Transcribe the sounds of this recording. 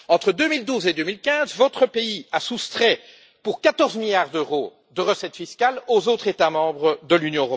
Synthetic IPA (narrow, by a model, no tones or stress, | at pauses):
ɑ̃t̪χəd̪ømild̪uːzed̪øːmilkʲɛ̃zvɔt̪χəpeiasust̪χɛ | puʁkat̪ɔʁzmiljaʁd̪øʁo | d̪əʁəsɛt̪fiskʲalozot̪χet̪amɑ̃bʁəd̪əlynjɔ̃øʁɔ